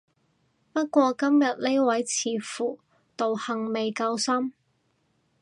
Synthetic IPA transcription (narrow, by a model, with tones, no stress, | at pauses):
pɐ˥t̚kʷɔː˧kɐ˥mjɐ˨t̚nle˥jwɐ˨˥jt͡sʰiː˨fuː˨˩ | t̪o˨whɐ˨˧ŋme˨jkaː˧wsɐ˥m